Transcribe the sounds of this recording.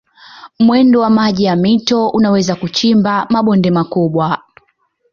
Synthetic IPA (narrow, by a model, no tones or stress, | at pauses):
mwɛndɔwamaʄijamitɔunawɛzakut͡ʃimbamaɓɔndɛmakuɓwa